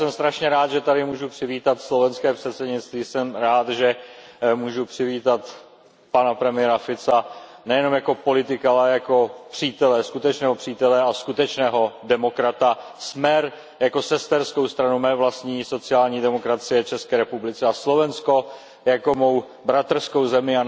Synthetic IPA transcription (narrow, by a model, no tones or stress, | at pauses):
sɛmst̪ɾaʃɲɛɾaːt̪ʒɛt̪adɪmuːʒupr̥ɪviːt̪at̪slo̞vɛnskɛːpr̝̥ɛt̪sɛdɲɪt͡st̪viːsɛmɾaːt̪ʒɛmuːʒupr̝̥ɪviːt̪at̪ | panapɾɛmɪjɛɾafɪt͡sanɛjɛno̞mjako̞po̞lɪt̪ɪkaalɛjako̞pr̝̥iːt̪ɛlɛskut̪ɛt͡ʃnɛːɦo̞pr̥iːt̪ɛlɛaskut̪ɛt͡ʃnɛːɦo̞dɛmo̞kɾat̪asmɛɾ | jako̞sɛst̪ɛɾsko̞wst̪ɾanumɛːvlast̪ɲiːso̞t͡sɪaːlɲiːdɛmo̞kɾat͡sɪjɛt͡ʃɛskɛːɾɛpublɪt͡sɛaslo̞vɛnsko̞ | jako̞mo̞w | bɾat̪r̩sko̞wzɛmɪa